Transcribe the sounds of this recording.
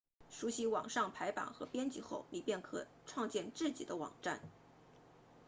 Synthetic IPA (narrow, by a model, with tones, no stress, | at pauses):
ʂu˧˥ɕi˧˥wɑ̰˨˩ŋʂɑ˥˩ŋpʰa˧˥ɪpa̰˨˩nxɤ˧˥pjɛ˥nt͡ɕi˥xo˥˩ʊni˨˩pjɛ˥˩nkʰɤ˨˩ | ʈ͡ʂʰwɑ˥˧ŋt͡ɕjɛ˥˧nʈ͡ʂɹ̩˥˩t͡ɕḭ˨˩d̪ə˦wɑ̰˨˩ŋʈ͡ʂa˥˩n